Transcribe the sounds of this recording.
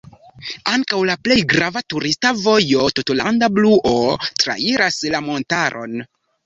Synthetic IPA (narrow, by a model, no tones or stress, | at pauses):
aŋkawlaple̞jɡɾavatuɾistavo̞jo̞tutolandabluʔotɾa̰iɾaslamo̞ntaɾʔo̞̰n